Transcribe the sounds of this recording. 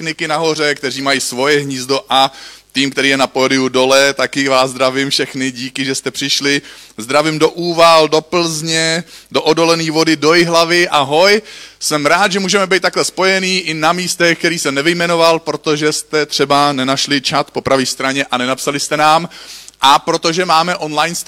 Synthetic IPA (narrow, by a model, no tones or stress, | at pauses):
nɪkɪnaɦo̞r̝ɛkt̪ɛriːmajiːsvo̞jɛɦɲiːzd̪o̞ʔat̪iːmkt̪ɛɾiːjɛnapoːdɪudo̞lɛt̪akɪvaːzd̪ɾavɪmfʃɛxnɪɟiːkɪʒɛst̪ɛpr̥ɪʃlɪzd̪ɾavɪmdo̞ʔuːvaldo̞pl̩zɲɛdo̞ʔodo̞lɛniːvo̞dɪdo̞jɪɦlavɪʔaɦo̞jsɛmɾaːt̪ʒɛmuːʒɛmɛbɛjt̪t̪aklɛspo̞jɛniːʔɪnamiːst̪ɛxkt̪ɛɾiːsɛmnɛvɪjmɛnovalpɾo̞t̪o̞ʒɛst̪ɛt̪r̝̥ɛbanɛnaʃlɪt͡ʃat̪po̞pɾaviːst̪ɾaɲɛʔanɛnapsalɪst̪ɛnaːmʔapɾo̞t̪o̞ʒɛmaːmɛʔo̞nlajns